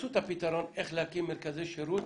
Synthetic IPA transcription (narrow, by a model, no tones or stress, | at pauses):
sut̪apit̪aɾɔneχlakimeɾkaziʃeɾu